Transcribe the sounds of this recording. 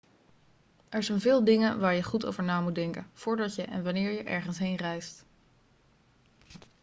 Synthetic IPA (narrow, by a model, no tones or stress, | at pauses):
ɛɹzɛjnvɪːlˠdɪŋənʋaːɹjəχuto̰wvəɹnaːmudɛŋkənv̥ʊːɹdɑcjəʔɛ̰nʋanɪːɹjəʔɛ̰ɹχənsɦejnrɛjst